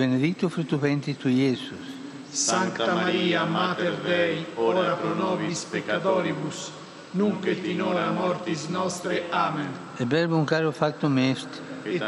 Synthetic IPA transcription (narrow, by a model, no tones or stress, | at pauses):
bened̪ikt̪ːufɾut̪upɛnt̪it̪uɛsus | saŋt̪amaɾiːamaːt̪eɾd̪ɛjoɾapɾonɔbispekːat̪ɔːɾibus | nuŋket̪ːinɔːɾamɔɾt̪isnɔst̪ɾeaːmen | ɛbɛlbuŋkaɾufakt̪umɛst̪